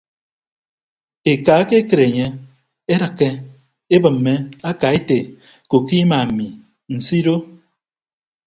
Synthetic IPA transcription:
e˨ka˨˦ke˦ke˨ɾe˨ɲe˦ | e˦ɾɨ˨kːe˦ | e˦bɨ˨m̩ː˨e˦a˦ka˨e˦te˨ | ko˨ki˦ma˨m̩˨mi˨ | n̩˨si˦ɾo˦

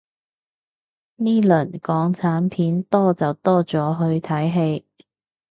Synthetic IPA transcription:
niː˥lɵ˨˩nkɔː˨˥ŋt͡sʰaː˨˥npʰiː˨˥nt̪ɔː˥t͡sɐ˨wt̪ɔː˥t͡sɔː˨˥ɦɵ˧ɥt̪ʰɐ˨˥jɦe˧j

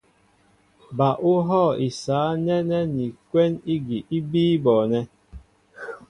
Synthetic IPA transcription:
ba˨ʔʊ˦ɦɔ˦˨i˨saː˨˦nɛ˦nɛ˦ni˨kʷe˦ni˦ɡi˨ʔi˦biː˦bɔː˨nɛ˦

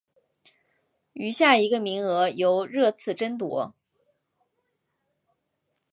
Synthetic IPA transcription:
y˧˥ɕja˥˩i˧˥ɡə˧mi˧˥ŋɤ˧˥jo˧˥ʊɻɤ˥˧t͡sʰɹ̩˥˩ʈ͡ʂə˥nt̪wɔ̰˧˥

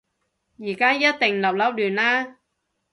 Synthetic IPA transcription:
jiː˨˩kaː˥jɐ˥t̚t̪ɪ˨˩ŋlɐ˨˩p̚lɐ˥wlyː˨˩naː˦˥

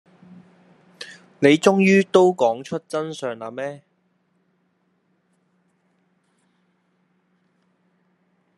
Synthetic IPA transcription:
ne˨˧jt͡ʃʊ˥ŋjyː˥t̪o˥wkɔː˨˥ŋt͡ʃʰɵ˥t̚t͡sɐ˥nsœː˨˧ŋa̰ː˧mɛː˥

